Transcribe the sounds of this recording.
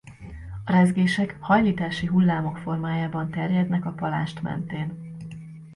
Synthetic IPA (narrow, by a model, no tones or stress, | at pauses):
ɒɾɛzɡeːʃɛkhɒjliːt̪aːʃiɦulːaːmo̞kfo̞rmaːjaːbɒnt̪ɛrjɛd̪nɛkɒpɒla̰ːʃt̪mɛ̰nt̪eːn